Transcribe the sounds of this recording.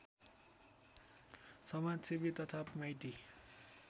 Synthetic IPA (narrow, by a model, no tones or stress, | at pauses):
sʌmad͡zsibit̪ʌt̪ʰapmʌjt̪i